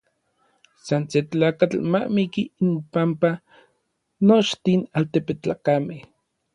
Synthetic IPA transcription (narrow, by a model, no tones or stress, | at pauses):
sanset͡ɬaːkat͡ɬmaʔmikiimpampa | not͡ʃt̪inalt̪epet͡ɬakameh